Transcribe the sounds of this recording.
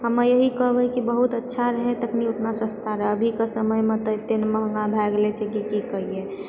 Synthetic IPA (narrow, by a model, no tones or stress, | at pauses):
ɦəmːejəɦikəɦbɛkibəɦut̪ətːʃʰaɾəɦɛ̃t̪əkʰniʊt̪nasə̃st̪ʰaɾəbʱikasəməjmẽt̪ət̪enməɦəŋɡabʱɛɡlet͡ʃʰɛkikikəɦie